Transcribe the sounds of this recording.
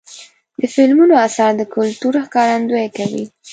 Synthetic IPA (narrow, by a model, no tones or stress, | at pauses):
d̪əfɪlmunoasɑɾd̪əkʊlt̪uɾaxkɑɾand̪ojakawḭ